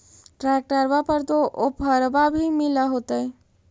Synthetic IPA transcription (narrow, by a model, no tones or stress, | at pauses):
ʈɾak̚ʈəɾbapəɾt̪oʔopəɾbabʱimɪlaɦot̪əe